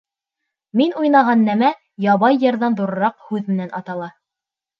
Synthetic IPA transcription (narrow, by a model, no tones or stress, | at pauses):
minujnɑʁɑnːæmæ | jɑβɑjːɤ̆ɾðɑnðuɾɤ̆ɾɑqhʉðmɘ̆nænʔɑt̪ɑlˠɑ